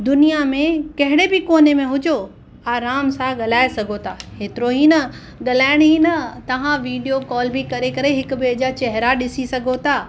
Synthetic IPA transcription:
d̪ʊnijamẽkɐɦɪɽebɪkoːnemẽɦʊd͡ʑo | aːɾaːmsãɠɐl̤aːesɐɡʱot̪ʰaːɦeːt̪ɪɾoɦinɐ | ɠɐlaːɪɽ̃ɦinɐt̪ɐʋ̤ãʋiːɖijokɔːlbɪkɐɾekɐɾeɦɪkʊ̆bed͡ʑat͡ɕɐɦɪɾaɗɪsisɐɡʱot̪ʰaː

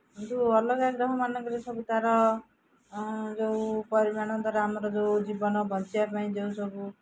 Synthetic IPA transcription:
ɦint̪uʌlɔɡaɡɾɔɦɔmanʌkɔɾesɔbut̪aɾɔ | d͡ʒowpɔɾimaɽ̃ɔt̪aɾamɔɾɔd͡ʒowd͡ʒibɔnɔbʱʌnt͡ʃiapaĩd͡ʒewsɔbu

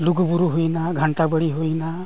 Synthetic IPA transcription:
luɡbuɾuɦoinaɡʱaɳʈabəɽiɦoina

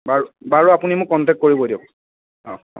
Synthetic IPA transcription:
baɹubaɹuapunimʊkːɔntɛkt̚koɹibɔdiɔk | ɔ̰̃

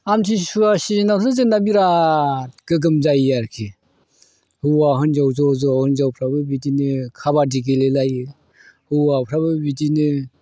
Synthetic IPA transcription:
amtʰisuasinanɯzɯnabiɾa | ɡ̥ɯɡɯmzajaɾkʰi | hɯwaɦɯnzawzɔzɔhɯnzawpʰɾabɯbidinɯkʰabadiɡelelajɯ | hɯwapʰɾaβɯbidinɯ

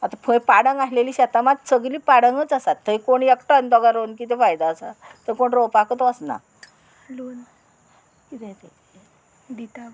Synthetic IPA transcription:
at̪apʰəjpaɽəŋɡaɦileliːɕat̪amat̪səɡliːpaɽəŋɡət͡sasat̪ʰːəikoɽiekʈɔnt̪ɔɡaɾonkit̪ɛfajd̪aːsa̰t̪əɾkoɳɾowpakət̪ɔəsna̰ | lon | kit̪ʰɛ̃t̪et̪ʰ | bit̪a

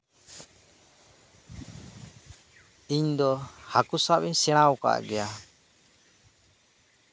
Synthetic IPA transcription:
iɲd̪ɔhakusapiɲsɛɽ̃awka̰ʔɡɛja

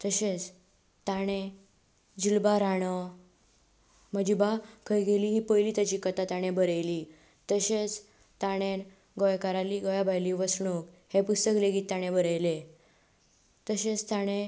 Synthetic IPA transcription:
t̪əɕet͡s | t̪aɽ̃e | d͡ʑilbaɾaɽ̃ə | məd͡ʑibakʰəjɡeliːɦiːpəjliːt̪jat͡ɕikət̪at̪aɽ̃ebəɾəjli | t̪əɕet͡s | t̪aɽ̃en | ɡɔjkaɾaliɡɔjabʱajliʋəsɳuk | hepust̪əkleɡit̪ːaɽ̃ẽbəɾəjle | t̪əɕet͡st̪aɽ̃e

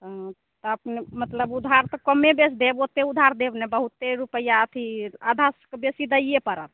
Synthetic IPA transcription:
t̪ɔəpnemət̪ləbud̪ʱaɾt̪ɔkəmebesd̪ebot̪eud̪ʱaɾd̪ebnɛbəɦut̪ːeɾupəjaət̪ʰiad̪ʱaskebesid̪əijepəɾə̰t̪̚ʰ

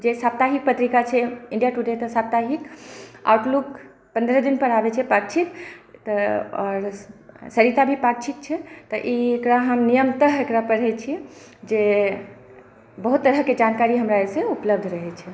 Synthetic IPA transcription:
d͡ʒesap̚t̪aɦik̚pət̪ɾikat͡ʃʰɛĩɳɖijaʈuɖet̪ɔsap̚t̪aɦika̰wʈluk | pə̃nd̪ɾəd̪inpəɾabɛt͡ʃʰɛpaɾt͡ʃʰit̪t̪ɔɔ̰ɾsəɾit̪abʱipaɾt͡ʃʰik̪̚t͡ʃʰɛt̪ɔʔiekɾaɦəmnijəmt̪əɦekɾapəɾɦɛt͡ʃʰi | d͡ʒe | bəɦut̪ːəɾəɦked͡ʒankaɾiɦəmɾaeseupləb̚d̪ʱɾəɦɛt͡ʃʰɛ

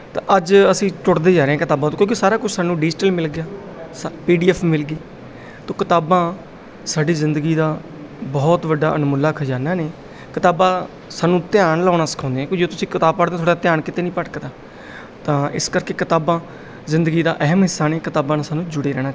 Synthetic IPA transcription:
t̪ã̰ːʔəd͡ʒəsĩːtʊʈd̪eːd͡ʒaːɾeːɦãːkɪt̪aːbãːt̪õːkjõːkɪsaːɾaːkʊt͡ʃʰsaːnũːɖɪd͡ʒʈəlmɪlɡɪjaːspiːɖiːɛːpʰmɪlɡiː | t̪õːkɪt̪aːbãː | saːɖiːzɪnd̪əɡiːd̪aː | bɔːt̪ʋəɖaːʔənmʊlːaːkʰəd͡ʒaːnaːneː | kɪt̪aːbãː | saːnũːt̪ɪaːɳlaːnaːsə̥kʰãːnd̪ẽːkːd͡ʒoːt̪ʊsĩːkɪt̪aːb̚pəɽd̪ẽːt̪ʰoːɽɖaːt̪ɪjãːɳkɪt̪eːnĩːpəʈkd̪aː | t̪ãːɪ̰skəɾkeːkɪt̪aːbãː | zɪ̃nd̪əɡiːd̪aːʔɛɦəmɦɪsːaːneːkɪt̪aːbãːnasaːnũːd͡ʒʊɽeːɾɛːɽ̃aː

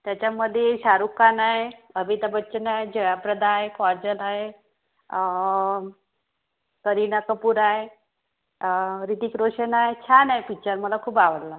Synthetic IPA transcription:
t̪jat͡ɕaməd̪ʱjeɕaɾukanaɦeəbit̪əbətːɕənaɦed͡ʑeʋapɾəd̪aɦefɔɾd͡ʑəlaɦe | kəɾinakəpuːɾaɦe | ɾit̪ikɾoɕənaɦet͡ɕʰanajpit͡ɕəɾməlakʰuːpaʋəlla

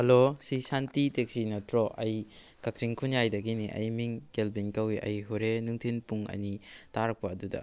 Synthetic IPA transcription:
hɐlosisantitek̚sinɔtɾɔʔɐj | kak̚t͡ʃiŋkʰunjajdɐɡiniʔɐ̰jmiŋkelbinkɐwiʔɐ̰jɦuɾenuŋtʰinpuŋɐ̰jnitaɾɐk̚pɐːdudɐ̰

